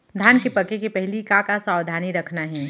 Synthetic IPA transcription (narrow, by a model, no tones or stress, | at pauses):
d̪ʱaːnkepɐkekepɛɦlikãkasaːwd̪ʱaːniɾɐkʰnaɦɛː